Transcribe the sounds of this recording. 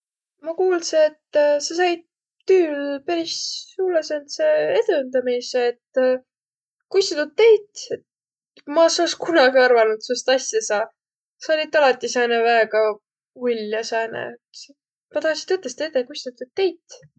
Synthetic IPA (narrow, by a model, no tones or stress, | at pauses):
mɑkuːlseet̪ːsɑs̬ɑjd̪̚ | t̪yːlpæɾisːuːlesent̪seed̪ønd̪ɑmiseːt̪ː | kust̪ut̪ud̪̚ːejt̪et̪ | mɑsoskunɑɡ̥iɑrvɑnud̪̥sust̪ɑsjɑsɑ | sɑolʲit̪ɑlɑt̪ːˑisæːnevæːɡ̥ɑ | ulʲːjɑsæːnḛ | se | mɑt̪ɑsi̥t̪ɤt̪ːˑest̪et̪ːekusʲt̪ut̪ːud̪̚t̪ːe̞jt̪